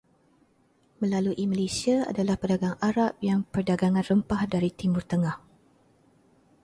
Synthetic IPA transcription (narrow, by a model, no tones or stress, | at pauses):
mə̃laluʔiməlesiaa̰dalahpərdaɡaŋaɾap̚jaŋpərdaɡaŋanrəmpahdaɾit̪imʊrt̪əŋah